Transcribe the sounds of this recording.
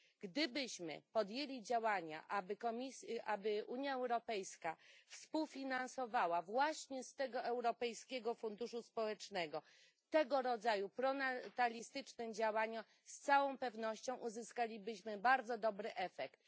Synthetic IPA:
ɡ̥d̪ɘbɘɕmɘ̰pɔd̪ʲjelʲid͡ʑawaɲa̰ʔabɘkɔmʲisʔabɘʔuɲjaɛwɾɔpɛjskafspuwfʲinansɔvawavwaɕɲɛst̪ɛɡɔɛwɾɔpɛjskʲɛɡɔfund̪uʂuspɔwɛt͡ʂnɛɡɔ | t̪ɛɡɔɾɔd̪zajupɾɔnat̪alʲist̪ɘt͡ʂnɘmd͡ʑawaɲɔ | st̪sawɔ̃w̃pɛvnɔɕt͡ɕɔ̃w̃ʔuzɘskalʲibɘɕmɘbaɾd̪zɔd̪ɔbɾɘʔɛfɛkt̪̚

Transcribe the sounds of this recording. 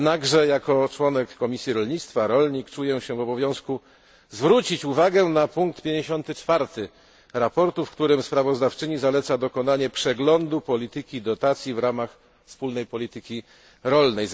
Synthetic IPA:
naɡʐɛjakɔt͡ʂwɔnɛkːɔmʲisʲjiɾɔlɲit̪st̪faɾɔlɲikt͡ʂujɛɕɛvɔbɔvʲjɔ̃w̃sku | zvɾut͡ɕit͡ɕuvaɡɛnapuŋkt̪pʲjeɲd͡ʑeɕɔnt̪ɘt͡ʂfaɾt̪ɘ | ɾapɔɾt̪ufkt̪uɾɘmspɾavɔzd̪aft͡ʂɘɲizalɛt̪sad̪ɔkɔnaɲɛpʂɛɡlɔnd̪upɔlʲit̪ɘkʲid̪ɔt̪at̪sʲjivɾamax | fspulnɛjpɔlʲit̪ɘkʲi | ɾɔlnɛj

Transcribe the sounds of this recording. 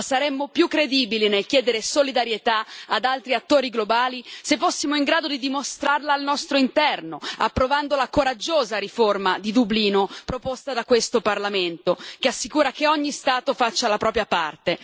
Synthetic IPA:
saɾɛmːopjukːɾed̪iːbilinelk̟jɛːd̪eɾesolid̪aɾjet̪aad̪alt̪ɾiat̪ːoːɾiɡlobaːlisefːosːimoiŋɡɾaːd̪od̪id̪imost̪ɾarlaːlnɔst̪ɾoint̪ɛrnoapːɾovand̪olakoɾad͡ʒːoːzaɾiformad̪id̪ubliːnopɾopost̪ad̪akwest̪oparlament̪okeasːikuːɾakeɔɲːist̪aːt̪ofat͡ʃːalapɾɔːp̬ɾjapart̪e

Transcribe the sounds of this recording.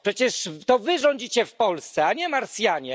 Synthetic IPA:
pʂɛt͡ɕɛʂt̪ɔvɘʐɔɲd͡ʑit͡ɕɛfpɔlst̪sɛaɲɛmaɾsʲjaɲɛ

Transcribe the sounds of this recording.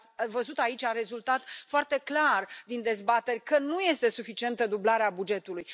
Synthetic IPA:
vəzut̪ait͡ʃʲaɾe̞zult̪at̪foart̪e̞klard̪ind̪e̞zbat̪e̞rʲkənuje̞st̪e̞sufit͡ʃie̞nt̪əd̪ublaɾeabud͡ʒe̞t̪uluj

